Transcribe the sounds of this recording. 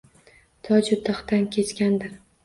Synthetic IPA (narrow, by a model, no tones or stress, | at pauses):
t̪ʰɒd͡ʒʊt̪ːɑχt̪ankʲʰe̞t͡ʃkʲand̪ɪɾ